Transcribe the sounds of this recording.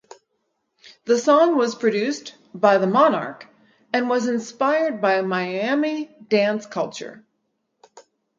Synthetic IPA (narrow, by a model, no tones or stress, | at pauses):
ðəsɑ̃ŋwʌz̥pʰɹ̥ɨdʉs | b̥aɪðəmɑnɑ̰ɹk | ɨ̃nwʌzɨ̃nspaɪə˞d̚baɪɨmaɪæmidæ̃nskʰʌlˠt͡ʃə̰˞